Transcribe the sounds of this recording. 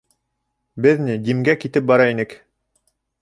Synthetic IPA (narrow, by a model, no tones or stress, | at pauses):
bɘðnid̪imɡækit̪ɘp̚bɑɾɑinɘk